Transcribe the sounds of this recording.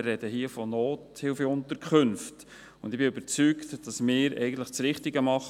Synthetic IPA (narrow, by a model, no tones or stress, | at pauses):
rːɛd̥əɦiəfɔnoːthɪlfəʊnt̪əɾkʰχɵnft | ʊ̰nd̪ɪbɪʏbəɾt͡syktd̥ɑsmɪːɾɛ̰ɪɡən̩tləχt͡sɾɪχtiɡəmɑχ